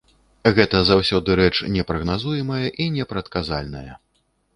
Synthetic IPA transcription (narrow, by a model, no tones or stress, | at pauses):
ɣɛt̪ɐzawsʲɔd̪ɨɾɛt͡ʂnʲɛpɾɐɣnazujɛmɐjɐʔinʲɛpɾɐt̪kaza̰lʲnɐjɐ